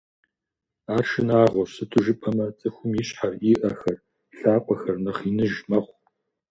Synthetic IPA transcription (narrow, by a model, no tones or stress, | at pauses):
aːrʃɪnaːʁʷɔsɨtʰɨʒɨpʼʰɐmɐt͡sʼɨxʷʊmjɪɕħariʔɐxɐr | ɬaːqʷʼɔxɐrnɐχinɨʒmɐχʷ